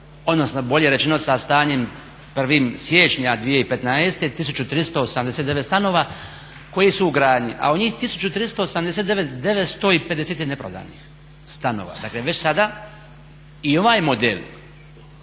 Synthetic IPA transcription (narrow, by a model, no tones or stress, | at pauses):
o̞d̪no̞sno̞bo̞ʎeɾet͡ʃenosast̪aːɲe̞m | pr̩ʋiːmsjeːt͡ʃɲad̪ʋijeipet̪naest̪et̪isut͡ɕut̪ɾist̪oosamd̪e̞set̪d̪eʋet̪st̪ano̞ːʋa | ko̞jisuːɡɾaːdɲiʔa̰od̪ɲiːxt̪isu̥t͡ɕut̪ɾist̪oosamd̪eset̪d̪eʋet̪d̪e̞ʋet̪st̪o̞ipe̞d̪e̞set̪inepɾod̪a̰ːnḭx | st̪anoːʋa̰d̪akleʋe̞t͡ɕsad̪a | io̞ʋaːjmo̞d̪el